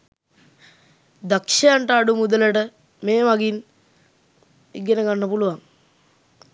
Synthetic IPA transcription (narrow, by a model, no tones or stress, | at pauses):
d̪akʂɐjaɳʈəːɖumud̪ələʈə | meːʋaɡin | ḭɡenəɡanːəpuluʋaŋ